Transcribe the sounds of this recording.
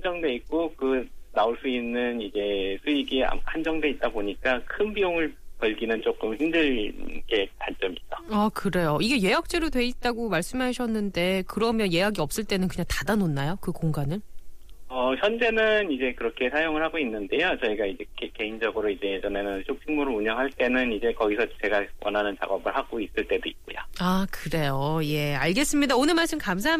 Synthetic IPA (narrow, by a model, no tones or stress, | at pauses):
and͡ʑʌŋde̞ik̚k͈okɯnaoɭs͈uinːɯnid͡ʑe̞sʰuiɡia̰hand͡ʑʌŋde̞it̚t͈aboɲik͈akʰɯnpijoŋɯɭpʌɭɡinɯnt͡ɕ͈ok͈ɯmçimdɯɭk͈e̞taɭt͡ɕ͈ʌmit͈aakɯɾe̞joiɡe̞je̞jak̚t͡ɕ͈eɾodwe̞it̚t͈aɡomaɭs͈ɯmɦaɕʰʌnːɯnde̞kɯɾʌmjʌnje̞jaɡiʌp̚s͈ɯɭt͈e̞nɯnkɯɲaŋtadanonːajokɯkoŋɡanɯɭ | ʌçjʌnd͡ʑe̞nɯnid͡ʑe̞kɯɾʌkʰe̞sʰajoŋɯɭhaɡoinːɯnde̞jot͡ɕʌiɡaid͡ʑe̞eke̞ind͡ʑʌɡɯɾoid͡ʑe̞jd͡ʑʌne̞nɯnɕʰok̚t͡ɕʰiŋmoɾɯɭuɲʌŋɦaɭt͈e̞nɯnid͡ʑe̞kʌɡisʰʌt͡ɕe̞ɡawʌnɦanɯnt͡ɕa̰ɡʌbɯɭhaɡois͈ɯɭt͈e̞doḭt̚k͈ojo̰akɯɾe̞joje̞aɭɡe̞s͈ɯmɲidaonɯmaɭs͈ɯmkamsʰaɦ